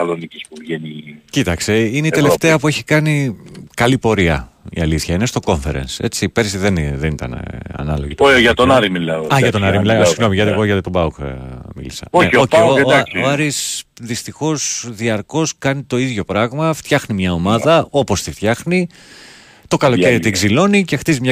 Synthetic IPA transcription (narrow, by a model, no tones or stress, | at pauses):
ɐloniceç̥pupʝenicit̪ɐkst̪e̞ine̞it̪e̞le̞ft̪e̞ɐpue̞çi̥kɐnikɐlipo̞ɾiɐ̰ḭɐ̰liθçɐinest̪o̞ko̞ɱfe̞ɾḛnse̞̰t͡siːpe̞ɾsiðe̞nðenit̪ɐ̰n̰ɐ̰nɐlo̞̰ʝit̪oʝɐtt̪onɐɾimilɐoɐʝɐt̪onɐɾimilɐsiɣno̞miʝɐt̪ieɣoʝɐt̪t̪obɐukmḭlisɐ̰oooosoɐɾisðist̪ixo̞sðiɐɾko̞skɐnit̪o̞iðʝo̞pɾɐɣmɐft̪çɐxnimɲɐo̞mɐðɐo̞po̞st̪ift̪çɐxni | t̪o̞kɐlo̞ce̞ɾit̪iɡzilo̞nice̞xt̪izimɲɐ